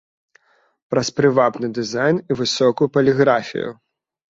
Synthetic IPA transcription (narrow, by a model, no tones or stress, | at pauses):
pɾɐspɾɨvapnɨd̪ɨzajnivɨsɔkujupɐlʲiɣɾafʲḭjṵ